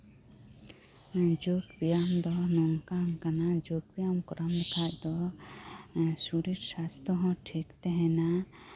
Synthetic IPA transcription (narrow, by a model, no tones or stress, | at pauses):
d͡ʒokbijamd̪ɔnɔŋkaŋkanad͡ʒokbijamkɔɾamlɛkʰaʔd̪ɔ | suɾiɾsast̪ɔɦɔ̃ʈʰikt̪ɛɦɛna